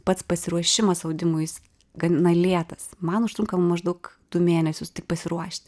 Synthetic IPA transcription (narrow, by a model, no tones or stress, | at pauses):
pɐt̪spɐsʲɪɾuɔʃʲɪmɐsɐʊd̪ʲɪmʊjɪs | ɡɐnɐlʲiɛt̪ɐsmɐnʊʃt̪ɾʊŋkɐmmɐʒd̪ɐʊkt̪uːmʲeːnʲɛsʲʊstʲɪk̚pɐsʲɪɾuɔʃʲt̪ʲ